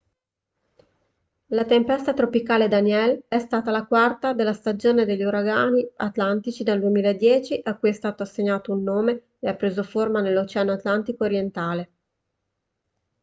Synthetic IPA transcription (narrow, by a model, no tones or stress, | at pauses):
lat̪empɛst̪at̪ɾopikaːled̪anjɛlɛst̪aːt̪alakwart̪ad̪elːast̪ad͡ʒoːned̪eʎːuɾaɡaːniat̪lant̪it͡ʃid̪ald̪uemiːlaed̪ːjɛːt͡ʃiʔakːujɛst̪aːt̪oasːeɲːaːt̪ounːoːme | eapːɾeːzoformanelːot͡ʃɛanoat̪lant̪ikoːɾjent̪aːle